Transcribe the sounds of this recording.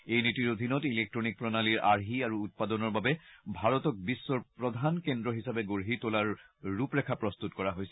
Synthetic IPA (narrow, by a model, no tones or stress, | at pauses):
ejnitiɹod̪ʱinɔtilek̚tɹɔnik̚pɹɔnaliɹʔaɹɦiaɹuːt̚padɔnɔɹbabɛbʱaɹɔtɔk̚bisːɔɹpɹɔd̪ʱankendɹɔɦisabɛɡoɹɦitolaɹːupɹɛkʰapɹɔst̪utkɔɹaɦojsɛ